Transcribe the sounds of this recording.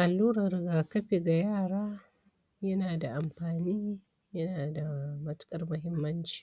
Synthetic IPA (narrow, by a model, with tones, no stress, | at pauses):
ʔa˨lːuː˦ɾɐ˨rɡaː˨kɐ˦ɸe˨ɡa˨jaː˦˨ɽaː˦ | jɐ˦naː˨da˨ʔa˨mɸaː˨niː˦ | jɐ˦naː˨da˨mɐ˦tkʼɐ˦rmʊ˦ɦɪ˦mːɐ˦nt͡ʃi̥ː˨